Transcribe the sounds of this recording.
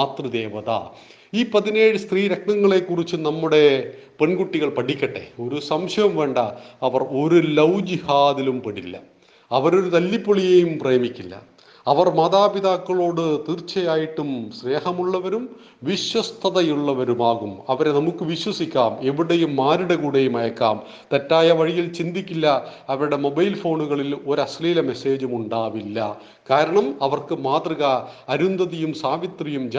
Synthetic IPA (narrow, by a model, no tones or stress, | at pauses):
aːt̪rɨd̪eːʋɐða̰ː | iːpɐðineːɻɨst̪riːɾekɳɐŋːɐɭe̞kːurit͡ɕːɨnɐmːuɽe̞peɳɡuʈːiɣɐɭpɐʈikʲːɐʈːḛo̞ɾusɐmɕɐjɐmʋe̞ːɳɖɐɐʋɐro̞ɾulɐwd͡ʑihaːðilumpɐɽilːɐ̰ | ɐʋɐɾo̞ɾut̪ɐlːipːoɭijejumprejɐmikʲːilːɐ̰ | ɐʋɐrmɐːd̪aːpiðaːkːɐɭo̞ːɽɨt̪iːrt͡ɕːɐjaːjiʈːumsne̞ːhɐmuɭːɐʋɐɾum | ʋiɕwɐst̪ʰɐðɐjuɭːɐʋɐɾumaːɣumɐʋɐɾenɐmukːɨʋiɕwɐsikʲːaːme̞ʋiɽejumːaːɾuɽe̞kuːɽejumɐjɐkːa̰ːm | t̪etːaːjɐʋɐɻijilt͡ɕind̪ikʲːilːɐɐʋɐɾuɽemo̞bɐjlfo̞ːɳuɣɐɭilo̞ɾɐsliːlɐme̞se̞ːd͡ʑumuɳɖaːʋilːɐ | kaːɾɐɳɐmɐʋɐrkɨmaːt̪rɐɣɐɐɾund̪ɐðijumsaːʋit̪rijumd͡ʑ